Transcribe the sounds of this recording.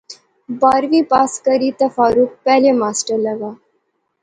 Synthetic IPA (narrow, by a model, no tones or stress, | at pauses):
baɾʋiːpaskəɾiːt̪əfaɾuːk̚pɛlemasʈəɾləɡa